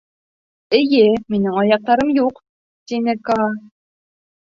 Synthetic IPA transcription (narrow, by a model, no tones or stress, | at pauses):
ɘjɘminɘŋɑjɑq̚t̪ɑɾɤmjuq | t̪inɘkɑ